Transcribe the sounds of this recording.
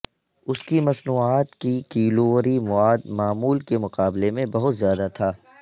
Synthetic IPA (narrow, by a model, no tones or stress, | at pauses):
ʊskimɐsnuːaːt̪kikiːloːʋəɾimʊaːd̪maːmuːlkemʊqaːblemẽbɐɦʊt̪zjaːd̪at̪ʰaː